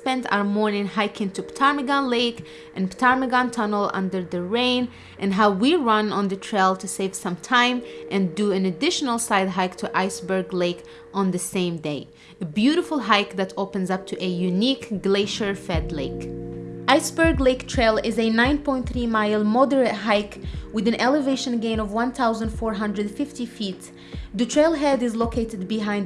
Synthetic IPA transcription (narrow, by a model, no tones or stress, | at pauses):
spɛ̃nta̰ʊə˞mɔɹnɪ̃ŋɦaɪkɪ̃ntuptʰaɹmɨɡɑ̃nleɪk | ʔɛ̃nptʰaɹmɨɡɑ̃ntʰʌnəl̩ˠʌ̰̃ndə˞ðəɹẽɪ̃n | ʔɨ̃nɦaʊwiɹʌ̃nɔ̃nðətʰɹeɪlˠtuseɪv̥sʌ̃mtʰãɪ̃mʔɨ̃nduɨ̃nɨdɪʃənəlˠsaɪd̚ɦaɪktʰuʔaɪsbə˞ɡleɪk | ʔɔ̃nðɨsẽɪ̃mdeɪ | əbjuɾɨfl̩ˠɦaɪkðætoʊpɨ̃nzʌp̚tʰuʔɨjunikɡleɪʃə˞fɛdleɪkʔaɪsbə˞ɡleɪktʰɹeɪlˠɪzɨnãɪ̃npʰɔ̃ɪ̃nt̪θɹimaɪlˠmɔdə˞ɨt̚ɦaɪkwɨðɨ̃nʔɛləveɪʃə̃nɡẽɪ̃nɔvwʌ̃nθaʊzə̃ndfɔɹɦʌ̃ndɹɨdfɪftifit | ðɨtʰɹ̥eɪlˠɦɛdɪzlokʰeɪɾɨd̚bɨɦãɪ̃n